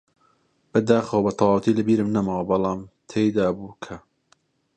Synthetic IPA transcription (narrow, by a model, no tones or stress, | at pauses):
b̥ɐd̪aːxɐwɐbɐt̪ʰɑwɑwɐt̪ʰiːlɨbiːɾɨmnɐmawɐbɑlɑːmt̪ʰejd̪aːbuːkʰɐ